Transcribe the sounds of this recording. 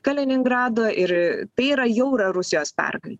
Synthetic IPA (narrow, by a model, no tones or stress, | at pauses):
kɐlʲɪnʲɪŋɡɾɑːd̪oːʔɪɾt̪ɐɪiːɾɐjɛʊɾɐɾʊsʲɪjoːspʲɛ̰rɡɐlʲ